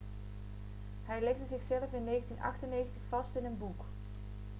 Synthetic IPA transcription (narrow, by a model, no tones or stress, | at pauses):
ɦɛjlɛχdəzɪχsɛləfɪnːejχəntinʔɑ̰χtənːejχəntəχfɑstɪnənbuk